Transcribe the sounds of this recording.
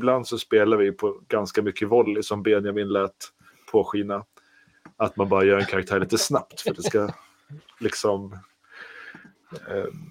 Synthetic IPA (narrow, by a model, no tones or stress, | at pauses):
bland̪sɔspeːlaɾvɪjɵpʰɔɡanskamʏkʰːəvɔlːsɔmbɛnɪjamɪnlɛːt̪ | pʰoːɧiːna | at̪manbɑːɾajœːɾɛnkʰaɾak̚t̪ʰæːɭiːt̪əsnapt̪fœɖɛska | lɪksɔm